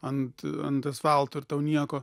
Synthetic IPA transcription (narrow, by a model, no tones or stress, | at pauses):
ɐnt̪ɐ̰nt̪ɐsʋɑlˠt̪ʊɪrt̪ɐʊnʲiɛkoː